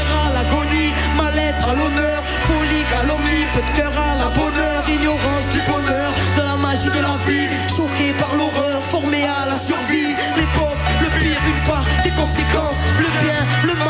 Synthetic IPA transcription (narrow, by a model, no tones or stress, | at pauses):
ʁalaɡɔni | malɛt̪χalɔnœʁ | fɔliɡalɔmnipøt̪kœʁalabɔnœʁiɲjɔʁɑ̃sd̪ybɔnœʁd̪ɑ̃lamaʒid̪əlavi | ʃɔkepaʁlɔʁœʁfɔʁmealasyʁvi | lepɔpləpiʁynpaʁd̪ekɔ̃sekɑ̃sləbjɛ̃ləm